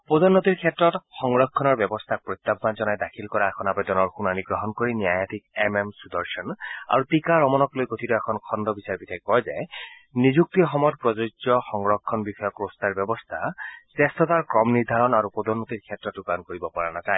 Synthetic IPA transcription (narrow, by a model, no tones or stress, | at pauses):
pod̪ɔnːot̪iɹkʰɛtɹɔtxɔŋɹɔkʰːɔnɔɹbjɛbɔst̪ʰak̚pɹojt̪ːabbanzɔnajdakʰilkɔɹaɛkʰɔnapɔdɔnɔɹxunaniɡɹɔɦɔnkoɹinijajatʰik̚ɛmemsudɔɹʃɔna̰ɹutikaɹɔmɔnɔklojkotʰitɔɛkʰɔnkʰɔndɔbisaɹbitʰɛkkɔjzɛ | nizuk̚tixɔmɔjɔt̚pɹɔzozɔxɔŋɹɔkʰːɔnbixɔjɔkɹostaɹbjɛbɔst̪ʰasɛstʰɔtaɹkɹɔmniɹd̪ʱaɹɔnaɹupɔdɔnːot̪iɹkʰɛtːɹɔtːukankoɹibɔpɔɹanataɛ